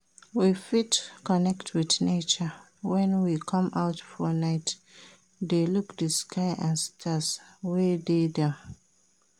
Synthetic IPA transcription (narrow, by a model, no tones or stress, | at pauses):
wifitkɔnɛktʰwiθnet͡ʃə | wɛ̃nwikʰʌ̃maʊtfɔnaɪt | delukdəskʰaɪʔãnstʰaswɛdedɛ̃m